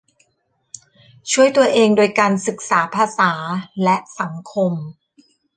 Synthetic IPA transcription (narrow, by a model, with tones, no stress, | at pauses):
t͡ɕʰu˥˩əjt̪u˧ɐʔeː˧ŋdoː˧jkaː˧nsɯ˨˩k̚saː˩˦pʰaː˧saː˩˦lɛ˦˥ʔsa˩˦ŋkʰo˧m